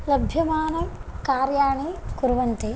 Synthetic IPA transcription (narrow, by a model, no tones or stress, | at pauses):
lɐbʱjɐmaːnɐmkaːɾjaːɳikuɾʋɐnt̪e